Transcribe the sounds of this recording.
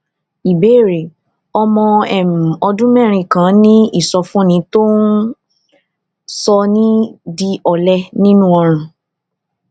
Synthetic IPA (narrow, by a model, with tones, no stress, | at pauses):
i˨be˨˦˨ɾe˨ | ɔ˧mɔ̃˧ɛ˦˨m̩˨ɔ˧dũ˦mɛ̃˦˨ɾ̃ĩ˧˨kã˨˦nĩ˦i˦˨sɔ˧fũ˦nĩ˨˦to˦n | sɔ˧nĩ˦di˧ɔ˨lɛ˦nĩ˦nũ˦ɔ˧ɾ̃ã˨